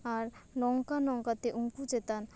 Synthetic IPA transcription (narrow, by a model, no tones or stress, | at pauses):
aɾnɔŋkanɔŋkat̪eʔuŋkud͡ʒet̪an